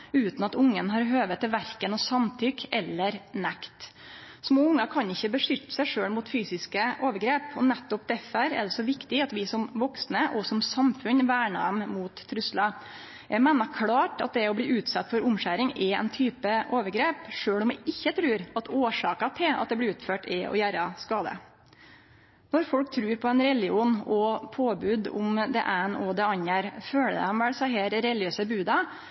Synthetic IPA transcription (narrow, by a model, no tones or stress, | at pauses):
ʉːt̪nɑt̪ʊŋːənɦɑːɾɦøːʋət̪ʰɪlʋæɾkənɔsɑmt̪ʰʏkɛlːəɾnɛkt̪ | smoːʊŋːɑkʰɑnɪçːəbəʂʏt̪ːə̥sæɪʂøːɽmuːt̪fyːsɪskəʔoːʋəɾɡɾeːpʰɔnɛt̪ːɔpd̪ɛfəɾɛ̰ɖ̪ɛsɔʋɪkt̪ɪɑt̪ʋɪsɔmʋɔksnəʔɔsɔmsɑmfʉnʋæːɳɑ̰mmuːt̪ʰːɾʉslɑ | ʔɛɾmeːnɑkʰlɑːʈɑ̰t̪̚d̪ɛɔbliːʔʉːt̪sɑt̪ːfɔɾʊmɕæːɾɪŋɛɛ̰nt̪ʰyːpəʔoːʋəɾɡɾeːpʂøːɭɔmʋɪʔɪçːət̪ʰɾʉːɾɑt̪ʰoːʂɑːkɑt̪ʰɪlɑ̰t̪̚d̪ɛblɪʉːt̪føːʈʰɛɔ̰jæːɾɑskɑːd̪ə̰ | nɔɾfɔlk̚t̪ʰɾʉːɾpʰɔɛnɾɛlɪuːnɔpʰoːbʉːd̪ʊ̰md̪ɛ̰ʔæɪnɔd̪ɛɑɲæɾføːlə̰æmʋɛlsæɪɦeːɾɾɛlɪøːsəbʉːd̪ɑ